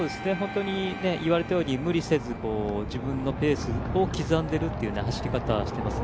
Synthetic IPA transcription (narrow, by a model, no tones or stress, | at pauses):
soːd̪e̞sɨne̞ɦõ̞nt̪o̞ɲ̟ine̞ʔiβaɾe̞t̪ajo̞ːɲ̟imɯ̟ɾʲise̞zɨko̞ːd͡ʑibɯ̟̃nːo̞pe̞ːsɨo̞kʲizãnd̪e̞ɾɯ̟t̪ːe̞jɯ̟nehaɕi̥ɾʲikat̪a̰ɕi̥t̪e̞masɨ̥